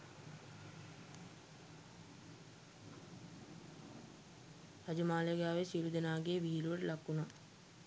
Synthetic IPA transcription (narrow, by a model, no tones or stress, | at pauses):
ɾad͡ʒumaːlejɡaːʋesiːɾud̪ənaːɡeːʋiɦiluʋəʈəlakːuna